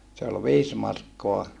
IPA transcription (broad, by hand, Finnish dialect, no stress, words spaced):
se ol ʋiːs mɑrkːoɑ